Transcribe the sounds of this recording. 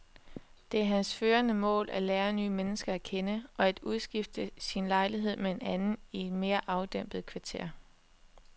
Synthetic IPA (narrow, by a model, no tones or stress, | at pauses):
d̥e̝æɐɦænsføːɐnəmɔ̰̽ːlʔælɛːɐnyːmenəsɡ̥ɐækʰenəʔɒ̽æd̥uðˠsɡ̥ifd̥əsinlɑ̈ɪliɦe̝ð̞̰ˠmee̝nænn̩ie̝d̥me̝ːɐʔɑ̈ʊd̥em̰b̥ð̩ˠkʰʋɑ̈t͡sʰe̝̰ɐ̰